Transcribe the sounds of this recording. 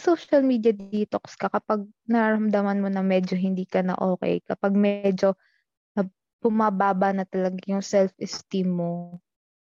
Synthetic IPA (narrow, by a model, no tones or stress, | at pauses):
sowʃɐlmiːd̪jɐd̪iːt̪okskɐkɐpaɡ̚ | nɐɾaːɾɐmd̪ɐmɐnmo̞nɐŋmɛːd͡ʒo̞ɦɪnd̪iːkɐnɐ̰ʔoːkɛ̰jkɐpaɡ̚mɛd͡ʒo̞ | nɐ | b̥ʊmabaːbɐnɐt̪ɐlɐɡajʊŋsɛlfʔɛst̪imːo